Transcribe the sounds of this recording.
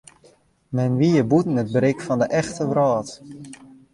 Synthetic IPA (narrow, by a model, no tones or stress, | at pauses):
mɛnʋiəbutn̩ət̚bɾɪkfɔndəʔɛxtəʋrɔːt